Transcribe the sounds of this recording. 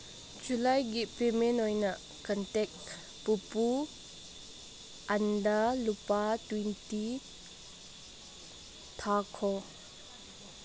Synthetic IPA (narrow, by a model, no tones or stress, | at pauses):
d͡ʒulajɡit̚pemenɔjnɐʔ | kəntɛk̚ | pupu | ʔandalupatwɛnti | tʰakʰɔ